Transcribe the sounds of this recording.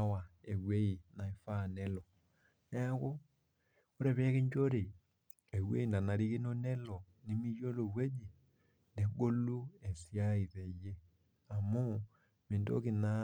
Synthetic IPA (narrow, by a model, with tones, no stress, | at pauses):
wa˨e˨wwe˦i˨na˨i˨fa˦˨nɛ˦lɔ˨ | nɛ˦ko˦ | o˦ɾɛ˨βɛ˦ke˦ɲd͡ʒo˦ɾe˨ | e˨we˦i˦˨nda˨na˨ɾi˦ki˦no˦nɛ˦lɔ˨ | ni˦mi˦jo˦lo˨we˦d͡ʒi˨ | nde˨ɡo˦lu˦e˨sja˦i˨ðe˨je˦ | a˨mo˦ | me˨ndo̰˦ki˨na˦